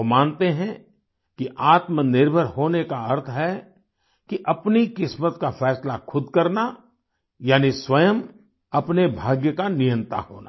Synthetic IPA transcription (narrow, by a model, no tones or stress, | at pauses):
omaːnt̪eɦɛ̃ | kiʔaːt̪mənɪɾbʱəɾɦoːnekaɐɾt̪ʰɦɛ | kiʔɐpnikɪsmət̪kafɛːslakʰʊd̪ʱkɐɾna | jaːniswɐjəm | ɐpnebʱaːɡjəkanɪjə̃nt̪a̰ɦo̰ːna̰